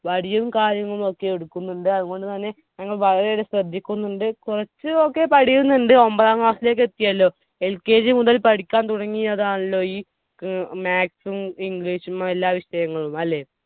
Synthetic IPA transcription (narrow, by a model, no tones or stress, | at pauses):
ʋɐɽijɐʋumkaːɾjɐŋːɐɭumo̞kːe̞eɽukːunːuɳɖɨɐðuɣo̞ɳɖɨt̪ɐnːe̞ | ɲɐŋːɐɭʋɐɭɐɾe̞oɾesrɐd̪ʱːikʲːunːuɳɖɨkurɐt͡ɕːɨo̞kːe̞pɐɽijunːuɳɖɨo̞mbɐðaːŋɡaːsile̞ːk̬ːe̞t̪ːijɐlːo̞ː | e̞lke̞ːd͡ʑɨmuðɐlpɐɽikʲːaːnt̪uɽɐŋːiɐðaːɳɐɭːo̞ːiː | maːksumiŋɡɭiːɕumelːaːʋiɕɐjɐŋːɐɭumɐlːe̞ː